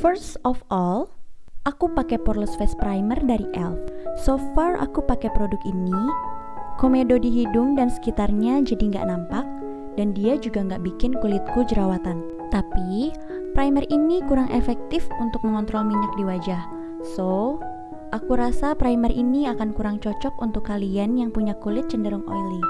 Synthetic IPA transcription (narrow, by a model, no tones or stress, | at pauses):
fərsɔfɔlʔakupakɛpɔrləsfɛspɾajmɛrdaɾiʔɛlfsofara̰kupakɛpɾodʊkini | komedodiɦidʊŋdansə̥kit̪arɲad͡ʒadiŋɡa̰ʔnampak̚ | d̥andiad͡ʒuɡaŋɡaʔbikɪnkulɪt̪̚kud͡ʒəɾawat̪an | t̪api | pɾajmɛrinikuɾaŋʔefɛk̚t̪ɪfunt̪ʊk̚məŋɔnt̪ɾɔlmiɲak̚diwad͡ʒah | so | ʔakuɾasapɾajmərʔiniakankuɾaŋt͡ʃɔt͡ʃɔkunt̪ʊkːalianjaŋpuɲakulɪt̪̚t͡ʃəndəɾʊŋo̰jli